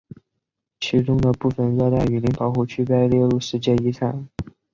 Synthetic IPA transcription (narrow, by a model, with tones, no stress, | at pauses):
t͡ɕʰi˧˥ʈ͡ʂʊ˥ŋd̪ə˨pu˥˩fə˨˩nɻɔ˥˧t̪a˥˩ɪy˨˩li˧˥ŋpʰɑ˨˩ʊxu˥˩t͡ɕʰy˥pe˥˧ɪljɛ˥˧lu˥˧ʂɻ̩˧˥t͡ɕjɛ˥˩i˧˥ʈ͡ʂʰa˨˩˦n